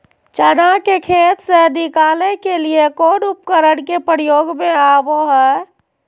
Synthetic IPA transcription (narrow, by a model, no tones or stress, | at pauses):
t͡ʃəɽakekʰet̪senikalekeliekoɽup̚kəɾəɽkepəɾijoːɡmeaboɦɛ